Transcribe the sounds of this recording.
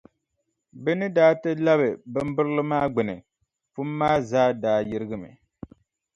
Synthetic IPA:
bɛ˦nɨ˦daː˦tɨ˦la˦βɨ˨bɨ˦m˦bɨ˦ɾɨ˦lɨ˦maː˦ɡ͡bɨ˨nɨ̰˨ | fu˦mː˦aː˦zaː˦daː˦jɪ˦ɾɨ˦ɡɨ˦mɨ̰˨

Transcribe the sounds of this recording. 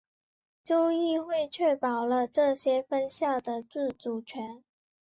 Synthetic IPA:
t͡ɕjo˥ʊi˥˧xwe˥˧ɪt͡ɕʰɥɛ˥˩pɑ˨˩ʊlə˦ʈ͡ʂɤ˥˩ɕjɛ˥fə˥nɕjɑ˥˩ʊd̪ə˩t͡sɹ̩˥˩t͡su˨˩t͡ɕʰɥɛ˧˥n

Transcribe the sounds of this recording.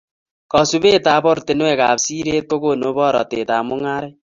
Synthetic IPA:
kɔ˨su˦be˦ta˨˦bɔ˦ɾte˨nwɛ˦˨ka˨psi˦ɾe˦t̚ko˦ko˦˨no˨˦bɔ˦ɾɔ̰˨te˨ta˨mʊ˦ŋa˦ɾɛ˦

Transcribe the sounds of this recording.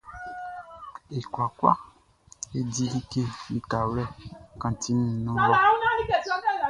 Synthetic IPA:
e˨kwa˨kwa̰˦ | e˦di˦li˦ke˦li˨ka˨wlɛ˦kã˨ti˦ñ˨nũ˦l

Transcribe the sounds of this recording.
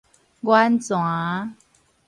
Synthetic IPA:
ɡwa˦nt͡swa˨˦

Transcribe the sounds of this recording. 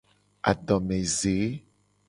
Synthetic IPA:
a̰˨ɖɔ̃˨mẽ˨ze˨˦

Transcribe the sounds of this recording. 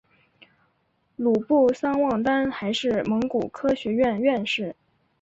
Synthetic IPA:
lu˨˩pu˥˩sɑ˥ŋwɑ˥˩ŋt̪a˥nxa˧˥ɪʂɻ̩˥˩mɤ˧˥ŋku˨˩kʰɤ˥ɕɥɛ˧˥ɥɛ˥˧nɥɛ˥˧nʂɻ̩˥˩

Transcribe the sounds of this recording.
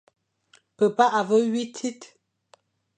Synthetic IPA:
pə˨pa˦ʔa˨və˦ɥi˦tʰi˦t

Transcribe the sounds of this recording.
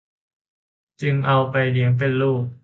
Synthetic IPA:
t͡ɕɯ˧ŋʔa˧wpa˧jli˨˩˦əŋp̬e˧nluː˥˩k̚

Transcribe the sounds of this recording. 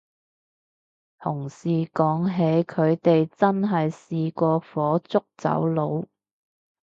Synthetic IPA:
t̪ʰʊ˨˩ŋsiː˨kɔː˨˥ŋɦe˨˧˥jkʰɵ˨˧ɥt̪e˨jt͡sɐ˥nɦɐ˨jsiː˨kʷɔː˧fɔː˨˥t͡sʊ˥k̚t͡sɐ̰˨˥wlo˨˧w

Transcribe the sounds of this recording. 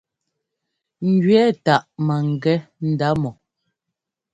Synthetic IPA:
ŋ̩˨ɡɥɛː˦ta˨ʔma˨ŋ˨ɡɛ˦n̩˨da˨˦mɔ˨

